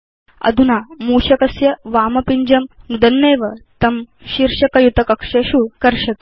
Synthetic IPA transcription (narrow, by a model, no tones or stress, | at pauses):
ɐ̰d̪ʱunaːmuːʃɐkɐsjɐʋaːmɐpiɲd͡ʑɐmd̪ɐnːeːʋɐt̪ɐm | ɕiɾʂɐkɐjut̪ɐkɐkʂɐɕukɐɾʃɐt̪